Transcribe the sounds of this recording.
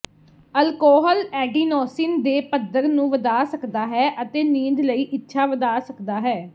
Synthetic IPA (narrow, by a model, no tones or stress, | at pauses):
əlkɔːɦəlɛːɖiːnɔːsɪnd̪eːpəd̪əɾnũːʋəd̪aːsəkd̪aːɦɛːʔət̪eːniːd̪ləiːʔɪtːʃʰaːʋəd̪aːsəkd̪aːɦɛː